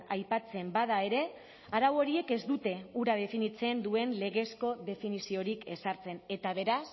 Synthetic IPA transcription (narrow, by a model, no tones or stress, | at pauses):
ajpat͡se̞mbað̞ae̞ɾe̞ | aɾawo̞ɾie̞ke̞zd̪ut̪e̞uɾað̞e̞finit͡se̞nd̪ue̞nle̞ɣe̞sko̞ðe̞finisio̞ɾike̞saɾt͡se̞ne̞t̪aβ̞e̞ɾas